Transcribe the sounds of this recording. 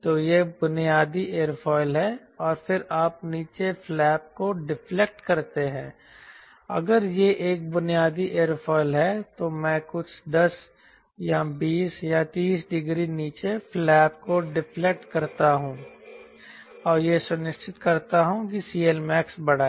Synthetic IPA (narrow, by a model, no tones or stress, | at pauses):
t̪oːjebʊnijaːd̪iʔeːəɾpʰɔːɪlɦɛ | ɔːɾpʰɪɾaːp̚niːt͡ʃeflɛːp̚koɖɪplek̚ʈkɐɾt̪eɦɛ̃ː | ɐ̰ɡəɾjeʔeːk̚bʊnijaːd̪iʔeːəɾpʰɔːɪlɦɛt̪omɛ̃ːkʊt͡ʃʰd̪ɐs | jabiːsjat̪iːsɖɪɡɾiniːt͡ʃeflɛːpkoɖɪplek̚ʈkɐɾt̪aɦũː | ɔːɾjesʊnɪʃʈɪt̪kɐɾt̪aɦũk̬isiːelmɛːksbɐɽ̤aː